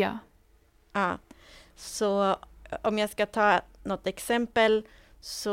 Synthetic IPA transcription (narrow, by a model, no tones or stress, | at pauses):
ɑ̰ː | ɑː | sɔ | ɔmjæɪskɑt̪ʰɑːnɔt̪ːɛksɛmpəl | sɔ